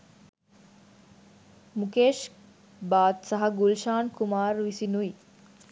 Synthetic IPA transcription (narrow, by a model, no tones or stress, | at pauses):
mukeːʃ | baːt̪sɐɦɐɡulʃaːnkumaːɾʋisinui